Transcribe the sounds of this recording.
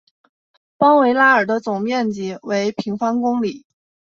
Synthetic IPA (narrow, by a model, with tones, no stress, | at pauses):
pɑ˥ŋwe˧˥ɪla˥ə˞˨˩d̪ə˦t͡sʊ˨˩ŋmjɛ˥˩nt͡ɕi˨˩˦we˧˥ɪpʰi˧˥ŋfɑ˥ŋkʊ˥ŋli˨˩˦